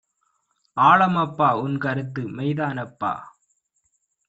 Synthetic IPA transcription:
aːɭɐmɐpːaːʊnkɐɾɯt̪ːɯmɐɪðaːnɐpːa̰ː

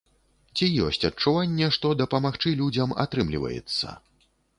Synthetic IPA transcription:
t͡sʲijɔ̰sʲt͡sʲɐt͡ʂuvanʲːɛʂt̪ɔd̪ɐpɐmaxt͡ʂɨlʲud͡zʲɐma̰t̪ɾɨmlʲḭvɐ̰jɛ̰t̪sːɐ̰

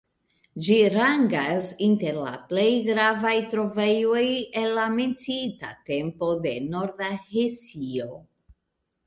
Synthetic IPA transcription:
d͡ʒiɾaŋɡasinte̞ɾla̰ple̞jɡɾavajtɾo̞ve̞jo̞je̞nlːame̞nt͡siita̰te̞mpo̞de̞no̞ɾdahesio̞

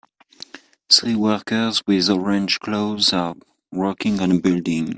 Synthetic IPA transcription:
θɹiwɜkə˞zwɪðɔɹɛ̃nd͡ʒkʰloʊzə | wɜ˞kɪ̃ŋə̃nəbɪldɪ̃ŋ

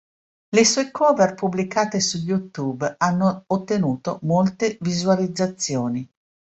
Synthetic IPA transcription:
lesɔekʰɔːverpublikaːt̪esuʎut̪uːbanːoːt̪ːenuːt̪omolt̪evizualid̪zːat̪sːjoːni

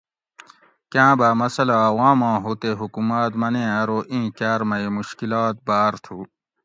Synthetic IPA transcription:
kãːbaːmɐsɐlawãːmãːɦut̪eɦukumaːt̪mɐnẽãɾoːʔĩːkaːɾmɐimuɕkilaːt̪̚baːɾt̪ʰuː

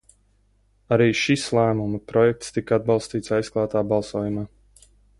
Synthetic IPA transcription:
aɾiːʃislˠæːmumɐpɾɔjɛk̚t̪st̪ikad̪̚bɑlˠst̪iːt̪sajsklˠaːt̪aːbɑlˠsoːjumaː

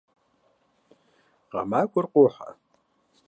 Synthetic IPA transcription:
qɑ̰makʷʼʊrqʷʼʊħa̰

